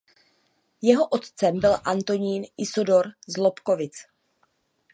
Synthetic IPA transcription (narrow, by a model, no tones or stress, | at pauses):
jɛɦo̞ʔot̪t͡sɛmbɪlʔant̪o̞ɲiːnʔɪsodo̞ɾzlopko̞vɪt͡s